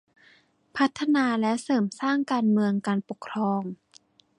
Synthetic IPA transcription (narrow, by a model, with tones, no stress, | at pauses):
pʰa˦˥t̪ʰːa˧naː˧lɛ˦˥wsɤː˩˦msaː˥˩ŋkaː˧nmɯ˧əŋkaː˧npo˨˩kʰɾɔː˧m